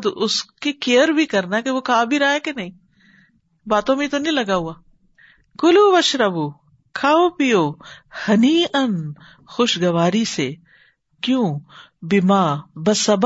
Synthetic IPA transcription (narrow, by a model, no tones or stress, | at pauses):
d̪ʊskekejəɾbʱikɐɾnakeʋokʰaːbʱiɾɐaekenɐɦĩː | baːt̪õmĩt̪onĩlɐɡaɦuaː | kʊluʋɐʃɾɐbu | kʰaːopijoːhɐniːɐn | xoʃɡɐʋaːɾiseː | kjõː | bɪmaːbɐsɐb